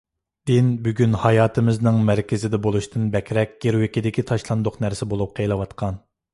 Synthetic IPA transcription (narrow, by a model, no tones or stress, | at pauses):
d̪̥ɪnbyɡʲynhɑjɑːt̪ʰɨmɪznɨŋmæɾkʲɪzɪd̪ɛbolˠuʃt̪ʰɨnbɛkʲɾɛk̚ʲɡ̥ʲeɾwɪkʲid̪ɪkʲit̪ʰɑʃlˠɑnd̪ʊqnæɾsɪbolˠup̚qʰejlˠɨwɑt̪qʰɑn